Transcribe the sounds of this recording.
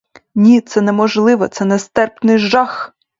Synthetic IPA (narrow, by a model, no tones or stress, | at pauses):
nʲit̪sɛnɛmɔʒlˠɪʋɔt̪sɛnɛst̪ɛrpnɪjʒɑx